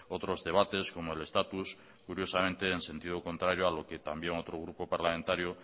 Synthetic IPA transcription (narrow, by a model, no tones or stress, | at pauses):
ot̪ɾozðe̞β̞at̪e̞sko̞moele̞st̪at̪us | kuɾjo̞samẽnt̪e̞ːnse̞nt̪ið̞oko̞nt̪ɾaɾjoalo̞ke̞t̪ambjeŋot̪ɾoɣ̞ɾupo̞paɾlamẽnt̪aɾjo